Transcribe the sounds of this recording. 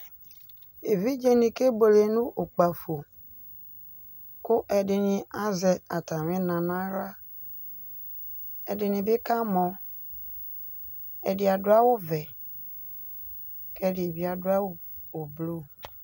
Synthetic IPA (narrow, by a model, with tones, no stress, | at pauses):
e˨vi˦d͡ʒe˦nĩ˨ke˦bo˨le˨nũ˦ʔo˨k͡pa˨fo˨ | kʊ˦ʔɛ˨dɪ˨nɪ˨a˦zɛ˨a˨ta˨mɪ̃˦nã˨nã˦ɾa˦ | ɛ˨dɪ˨nɪ˨bɪ˦ka˦mɔ˨ | ɛ˨dɪ˨a˨dʊ˦a˦wʊ˦vɛ˨ | kɛ˦dɪ˨e˨bi˦a˨dʊ˦a˦wʊ˨ | o˨blo˦